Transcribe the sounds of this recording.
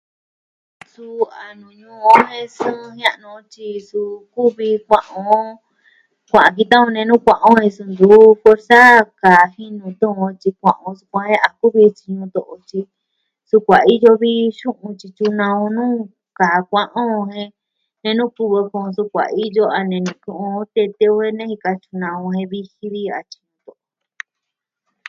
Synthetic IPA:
su˧a˨nũ˨ɲũː˦˧˦hẽ˧sũ˦˧hã˦ʔnũ˧t͡ʃi˧su˧ku˦βi˧kʷã˧ʔõ˧ | kʷã˨ã˨k̬i˧t̪ã˦õ˧nẽ˧nũ˦kʷã˧ʔõ˦hẽ˧su˧nd̪u˨˦fwe˧ɾsa˦ka˨hi˦nũ˧t̪ũ˦õ˧t͡ʃi˧kʷã̰˨ʔõ˧su̥˧kʷã˧˦hẽ˦ʔa˧ku˦βi˧t͡ʃi˧ɲũ˧t̪o˧˨ʔo˧t͡ʃi˧ | su˧kʷa˨i˦jo˧βi˦ʃũ˦ʔũ˧t͡ʃi˧t͡ʃu˧nã˧ũ˧nũː˦ | ka˨kʷã˧ʔõ˦˧hẽ˧ | nẽ˧nũ˦ku˧βo˧kũ˧su˧kʷa̰˨i˦jo˦a˧nẽ˧nũ˧kũ˧ʔũ˧t̪e˧t̪e˧u˧hẽ˧nẽ˦hi˧ka˧t͡ʃu˧nã˧ũ˧ɦẽ˧βi˦˧hi˧βi˦a̰˧t͡ʃi˧ɲũ˧t̪o˧ʔo˧

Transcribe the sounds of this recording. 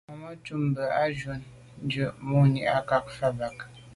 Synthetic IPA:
a˨mə˦t͡ʃu˦mbə˨a˦d͡ʒwo˨n˦ | d͡ʒə˨ʔmo˦ɲi˨ʔa˦ka˦k̚fa˦ba˨k̚

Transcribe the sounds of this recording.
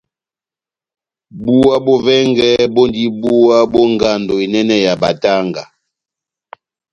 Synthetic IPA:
bu˦a˦bɔ˦vɛ˦ŋɡɛ˦bɔ˦ndi˦bu˦wa˦bɔ˦ŋɡa˦˨ndɔ˨i˨nɛ˦nɛ˦ja˨ba̰˨ta˦ŋɡa˨

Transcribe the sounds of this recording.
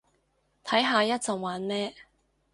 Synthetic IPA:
t̪ʰɐ˨˥jɦaː˨˧jɐ˥t̚t͡sɐ˨˧ŋwaː˨˥nmɛː˥

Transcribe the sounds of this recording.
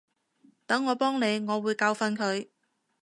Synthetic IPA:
t̪ɐ˨˥ŋːɔː˨˧pɔː˥ŋne˨˧jŋɔː˨˧wuː˨˧jkaː˧wfɐ˧nkʰɵ˨˧ɥ

